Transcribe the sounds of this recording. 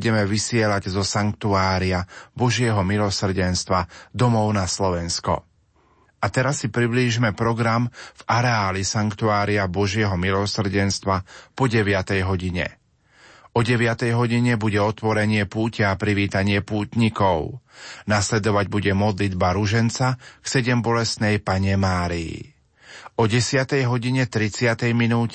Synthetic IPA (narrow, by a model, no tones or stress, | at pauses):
ɟɛmɛʋisɪɛlaɟzɔsaŋkt̪uaːɾiabɔʒɪɛɦɔmilɔsr̩ɟɛnst̪ʋad̪ɔmɔʊnaslɔʋɛnskɔ̰ | ʔat̪ɛɾasːipɾibliːʒimɛpɾɔɡɾamv̥aɾɛaːlisaŋkt̪uaːɾiabɔʒɪɛɦɔmilɔsr̩ɟɛnst̪ʋapɔɟɛʋɪat̪ɛjɦɔɟiɲɛ̰ | ɔɟɛʋɪat̪ɛjɦɔɟiɲɛbuɟɛɔt̪ʋɔɾɛɲɪɛpuːcɛapɾiʋiːt̪aɲɪɛpuːt̪ɲikɔʊnaslɛd̪ɔʋaɟbuɟɛmɔd̪lid̪baɾuʒɛnt͡saksɛɟɛmbɔlɛst̪nɛjpaɲɛmaːɾiḭ | ɔɟɛsɪat̪ɛjɦɔɟiɲɛt̪ɾit͡sɪat̪ɛjminuːcɛ